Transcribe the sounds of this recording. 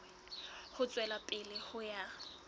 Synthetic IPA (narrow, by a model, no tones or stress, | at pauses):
ɛ | hʊt͡sʼwɛlapʼɪlɪhʊja